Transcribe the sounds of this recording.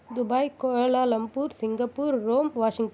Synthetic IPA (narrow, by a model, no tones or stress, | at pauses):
d̪ʊbaːjkoːɻɐlaːlɐmpuːɾsɪŋɡɐpːuːɾːoːmʋaːʂɪŋʈ